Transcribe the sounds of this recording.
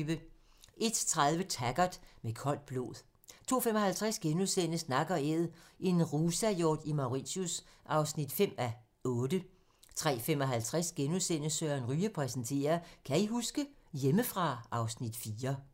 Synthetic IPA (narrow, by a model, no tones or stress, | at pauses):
ʋə | ʔe̝d̥t͡sʰʁaðˠʋət͡sʰæɡ̥ɐd̥mekʰɒ̽l̰d̥̚b̥lo̝̰ːð̞ˠ | t͡sʰo̝̰ːfem̰ɒ̽ɦælt͡sʰʁasɡ̥enusenəsnɑ̈ɡ̥ɐeðˠʔe̝nʁusæjoːd̥imɑ̈ʊʁḭɕjusʔɑ̈ʊsnid̥fem̰æ | ɔ̽ːd̥ə | t͡sʰʁɛ̰ːfem̰ɒ̽ɦælt͡sʰʁɛsɡ̥enusenəsøːɐnʁyːəpʰʁɛsn̩t͡sʰe̝̰ːɐkʰæiɦusɡ̥əjeməfʁɑ̈ɑ̈ʊsnid̥fiːɐ